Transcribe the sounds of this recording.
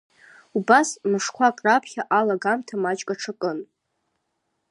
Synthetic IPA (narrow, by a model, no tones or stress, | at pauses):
ubasmɨʂkʷʰakʼrapʰχʲaʔalaɡamtʰamat͡ʃʼkʼaʈ͡ʂʰakʼɨn